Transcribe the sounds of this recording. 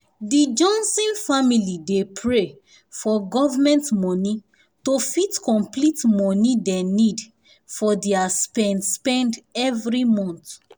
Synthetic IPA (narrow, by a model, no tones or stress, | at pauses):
did͡ʒɔ̃nsĩnfamilidepʰɹe | fɔɡɔvamɛ̃ntmɔni | tofitkɔ̃mplitmɔnidɛ̃nid | fɔdeaspɛ̃ndspɛ̃ndɛvɹimɔ̃nt